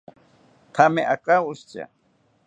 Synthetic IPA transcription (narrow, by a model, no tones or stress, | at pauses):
t̪ʰameʔakaʊst͡ʃa̰